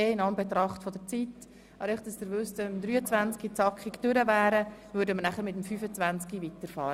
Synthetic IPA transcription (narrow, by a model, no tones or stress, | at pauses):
eːɪnɑnmbet̪ɾɑχtfɔdəɾt͡sit | ɑɾɛχtd̥ɑsd̪əɾvʏstəmd̪ɾyːət͡svænt͡skit͡sɑkχɪktʏɾəvæːɾəvøːɾdəməɾnæχəɾmɪtmfyːfət͡svænt͡skivitəɾfɑːɾə